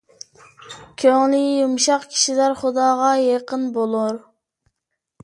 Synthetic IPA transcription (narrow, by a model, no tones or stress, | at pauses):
kʲʰøŋlɪjumʃɑqkʲʰi̥ʃilæɾχʊd̪ɑːʁɑjeqənbolˠʊɾ